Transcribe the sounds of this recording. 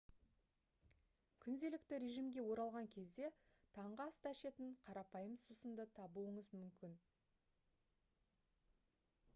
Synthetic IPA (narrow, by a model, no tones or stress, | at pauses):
kʲʰʏnd̪e̞lɪkt̪ɪɾe̞ʒimɡʲe̞wo̞ɾɑlˠʁɑŋkʲʰe̞zd̪e̞ | t̪ʰɑɴʁɑst̪æʃe̞t̪ɪɴqʰɑɾɑpɑjəmsusənd̪ət̪ʰɑbuəɴəzmʏmkʲɪn